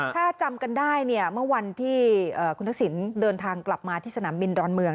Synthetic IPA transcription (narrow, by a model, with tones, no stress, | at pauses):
t̪ʰaː˥˩t͡ɕa˧mka˧ndaː˥˩jni˥˩ɐmɯ˥˩ɐwa˧nt̪ʰiː˥˩ʔəː˨˩kʰu˧nt̪ʰa˥ksi˩˦ndɤː˧nt̪ʰaː˧ŋkla˨˩p̚maː˧t̪ʰiː˥˩sa˧naː˩˦mbi˧ndɔː˧nmɯ˧əŋ